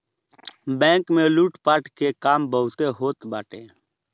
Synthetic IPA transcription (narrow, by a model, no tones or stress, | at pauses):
bɛ̃ːkmẽːluːʈpaːʈkekaːmbəɦʊt̪eːɦoːt̪baːʈḛː